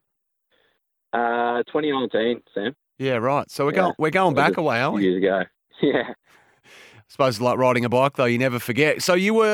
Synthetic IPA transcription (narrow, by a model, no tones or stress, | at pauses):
ʔʌtʰw̥ɛ̃ɾ̃inãɪ̃ntʰĩnsæ̃m | jæɹaɪtsoʊwɨɡoʊ̃wɪɹɡoʊɪ̃ŋbækəweɪɛijɪzɨɡoʊ | jæ | sə̥poʊzɨzlaɪk̚ɹaɪɾɪ̃ŋɨbɑk̚ðoʊjɨnɛvə˞fə˞ɡɛt̚soʊjɨwə˞